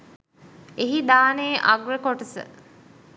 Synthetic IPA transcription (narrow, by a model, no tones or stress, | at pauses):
eɦid̪aːneːʔaɡɾəkoʈəsə̰